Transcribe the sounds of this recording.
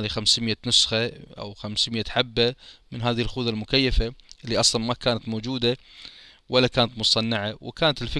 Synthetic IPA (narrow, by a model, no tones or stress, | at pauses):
lixamsmɪjːanʊsxaʔa̰wxamsmɪjːaħabːamɪnɦaːðɪhɪlxuːðalmʊkajːafaʔɪlːiʔɑsˤlɑnmakaːnat̪moːd͡ʒuːd̪a | wʔalːakaːnat̪mʊsˤɑnːaʕawɪ̰kaːnat̪ɪlfɪ